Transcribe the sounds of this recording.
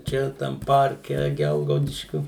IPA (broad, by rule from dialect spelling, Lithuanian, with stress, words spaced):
ˈt͡ʃʲɛ tɐm ˈpɐrʲkʲɛ ˈɡʲɛlˠɡɐʊdʲɪʃʲkʲʊ